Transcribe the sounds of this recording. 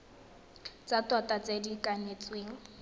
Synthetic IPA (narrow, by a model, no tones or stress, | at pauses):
t͡sʼatʼwatʼat͡sʼedikʼanet͡sʼweːŋ̩